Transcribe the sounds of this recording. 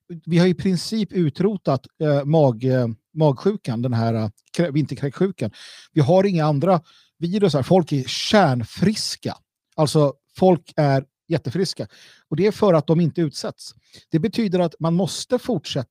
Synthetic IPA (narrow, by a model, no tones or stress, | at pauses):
vɪhajɪpʰɾɪnsiːpʉ̟ːt̪ɾuːt̪at̪mɑːɡ | mɑːɡɧʉ̟ːkand̪ɛnɦæːɾa | kʰɾvɪnt̪əɾkʰɾɛkɧʉ̟ːkanvɪɦaɾɪŋːaand̪ɾa | viːɾɵsaɾfɔlkæɾɕæːɳfɾɪska̰ | alt̪sɔ | fɔlkʰæɾ | jɛt̪ːəfɾɪska | ɔd̪ɛæɾfœɾat̪̚d̪ɔmɪnt̪əʉ̟ːt̪sɛt̪s | d̪̥ɛbɛt̪ʰyːd̪əɾat̪manmɔst̪əfʊʈʂɛt̪ː